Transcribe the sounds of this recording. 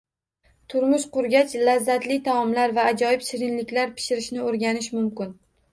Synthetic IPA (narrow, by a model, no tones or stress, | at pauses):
t̪ʰʊɾmʊʃqʊɾɡʲat͡ʃlazːat̪lɪt̪ʰaɒmlaɾvaːd͡ʒɒjɪpʃɪɾɪnlɪkʲlaɾpʰɪ̥ʃɪɾɪʃnɪoɾɡʲanɪʃmʊmkʲɪn